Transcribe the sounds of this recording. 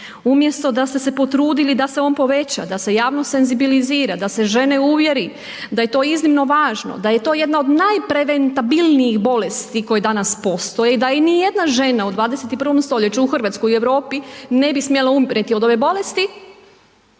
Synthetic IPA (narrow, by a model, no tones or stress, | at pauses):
umje̞st̪o̞d̪ast̪e̞se̞po̞t̪ɾuːd̪ilid̪ase̞o̞ːnpo̞ʋe̞t͡ɕa̰d̪ase̞jaːʋno̞se̞nzibiliziːɾad̪ase̞ʒe̞ne̞uʋje̞ɾi | d̪aje̞t̪o̞ːiznimno̞ʋaːʒno̰d̪aje̞t̪o̞ːjed̪nao̞d̪najpɾeʋent̪abilˠnijixbo̞lest̪iko̞jed̪anaspo̞st̪ojeid̪ajinije̞d̪naʒe̞naud̪ʋaːd̪eset̪ipr̩ʋo̞mst̪o̞ʎe̞t͡ɕuuxr̩ʋat̪skojieʋɾo̞ːpine̞bismjelaumpɾet̪iod̪o̞ʋe̞bo̞le̞st̪i